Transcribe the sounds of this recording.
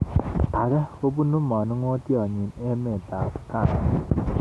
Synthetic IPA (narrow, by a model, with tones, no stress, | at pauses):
a˨kɛ˦ko˦bu˦nu˦mɔ˨nɪ˦ŋo˦tjɔ˨ɲɪ˨ne˦me˨ta˨ka˦˨ŋ